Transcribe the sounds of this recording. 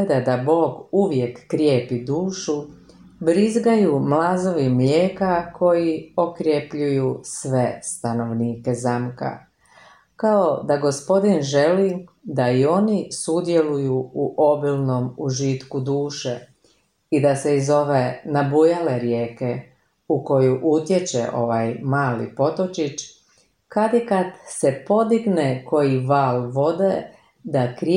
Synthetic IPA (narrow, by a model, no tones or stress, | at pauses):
d̪ed̪abo̞ːɡuʋje̞kːɾjeːpid̪uːʃu | bɾizɡajumlazoʋimʎʲeːkakʰo̞jio̞kɾjepʎujusʋe̞st̪ano̞ʋniːke̞zamka̰ | kaod̪aɡo̞spo̞d̪inʒe̞lid̪aio̞nisud̪je̞lujuuʔo̞bilno̞muʒit̪kud̪uːʃe | id̪aseizo̞ʋenabujale̞ɾjeːke̞ | uko̞juʔut̪jet͡ʃḛʔo̞̰ʋajmaːlḭpo̞t̪o̞t͡ʃit͡ʃ | kad̪ikad̪se̞po̞d̪iɡneko̞jiʋaːlʋo̞d̪e | d̪akɾ